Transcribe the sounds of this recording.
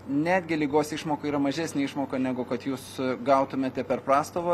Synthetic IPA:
nʲæːd̪ʲɡʲɪlʲiːɡoːsɪʃmoːkɐiːɾɐmɐʒʲæːsʲnʲeːɪʃmoːkɐnʲæɡʊkɐt̪juːsɡɐʊt̪ʊmʲeːt̪ʲɛpʲɛrpɾɑːst̪oːʋoː

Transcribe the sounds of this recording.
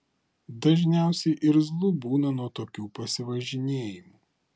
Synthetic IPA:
d̪ɐʒʲnʲæˑʊsʲɛɪʔɪɾzlˠʊbuːnɐnuɔt̪oːkʲuːpɐsʲɪʋɐʒʲɪnʲeːjɪmu

